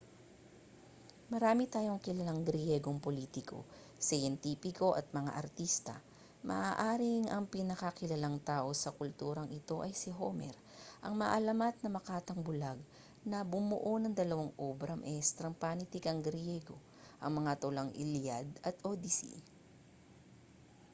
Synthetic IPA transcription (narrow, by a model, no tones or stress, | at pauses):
mɐɾaːmɪt̪aːjo̞ŋkɪlɐlaŋɡɾjɛɡo̞ŋpoliːt̪ɪko̞̰ | sɐjɛnt̪iːpɪko̞ʔɐt̪̚mɐŋa̰ʔɐɾt̪ist̪ɐ̰ | mɐ̰ʔaːʔaːɾɪŋʔɐŋpinɐkɐkɪlɐlaŋt̪aːʔo̞sɐkʊlt̪uːɾɐŋʔɪt̪o̞ʔɐjsɪɦomɛ̰ɾ | ʔɐŋmɐʔɐlɐmat̪̚nɐmɐkaːt̪ɐŋbʊlaɡ̚ | nɐbʊmʊʔo̞nɐŋd̪ɐlɐwaŋʔobɾɐmʔɛst̪ɾɐŋpaːnɪt̪ɪkɐŋɡɾɪjɛɡo̞ | ʔɐŋmɐŋat̪olɐŋʔɪ̰ljad̪ɐt̪ʔod̪isḭ